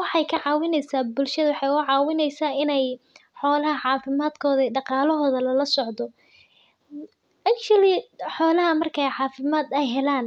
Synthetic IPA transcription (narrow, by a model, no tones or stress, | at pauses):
wɑħɑjkʰɐʕɑːwɪnɛjsaːbʊlʃɐðɐwɑħɑjʊʕɑːwɪnɛjsaːɪnɛjħɔːlɐɦɐʕɑːfɪmaːd̪kʰɔːðɐɖɑqɑːlɔɦɔːðɐlɐlɐsɔʕd̪ɔ | ʔɐkt͡ʃɐlɪħɔːlɐɦɐmɐrkʰɛjʕɑːfɪmaːd̪ɛjɦɛlaːn